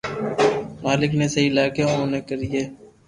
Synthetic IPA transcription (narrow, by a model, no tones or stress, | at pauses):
maːlɪkneːseiːlaːkeːɦoːneːkəɾijeː